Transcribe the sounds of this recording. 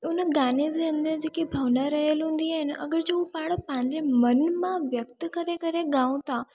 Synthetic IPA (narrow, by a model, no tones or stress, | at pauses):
ʊnəɡaːned̪eə̃nd̪əɾd͡ʑeːkibʱɐʋnaɾɐɦəlɦũːn̆d̪iaːɦɪnɪ̆ʔɐ̰ɡəɾd͡ʑoːupaːɽpɐ̃ɦɪ̃ɲd͡ʑemɐnmãʋjɐk̚t̪kɐɾekɐɾeɡãːũt̪ʰaː